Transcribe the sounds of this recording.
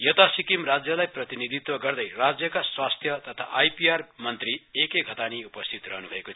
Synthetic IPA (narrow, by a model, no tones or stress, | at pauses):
jʌt̪asikimrad͡zjʌlajprʌt̪inid̪ʱit̪wʌɡʌrd̪ʌjrad͡zjʌkaswast̪ʰjʌt̪ʌt̪ʰa̰ʔajpiarmʌnt̪riekeɡʱʌt̪aniupʌst̪ʰit̪rʌ̰ɦnubʱʌekot͡sʰ